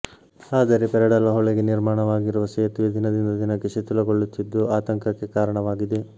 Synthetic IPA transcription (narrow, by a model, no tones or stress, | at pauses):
aːd̪ɐɾepɛɾɐɽɐlɐɦɔɭeɡeniɾmaːɳɐʋaːɡiɾuʋɐsɐjɐt̪ʋɐd̪ʱinɐd̪ind̪ɐd̪inɐkːeʃet̪ulɐɡoɭːut̪ːid̪ːuaːt̪ɐŋkɐkːe̞kaːɾɐɳɐʋaːɡid̪e